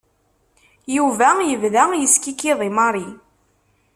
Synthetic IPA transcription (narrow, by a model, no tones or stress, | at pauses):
juvæjəvðæjəskikːiðˤimɑɾˤi